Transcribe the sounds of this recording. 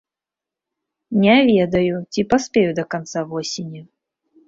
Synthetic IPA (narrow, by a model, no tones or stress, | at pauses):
nʲɛavʲɛd̪ɐjut͡sʲipaspʲejud̪ɐkant̪savɔsʲɪnʲɐ